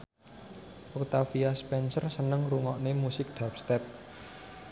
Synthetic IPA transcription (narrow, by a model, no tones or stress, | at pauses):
ʔɔkt̪afiaspɛnsərsənəŋruŋɔʔnemusɪk̚d̪̥ap̚st̪ɛp̚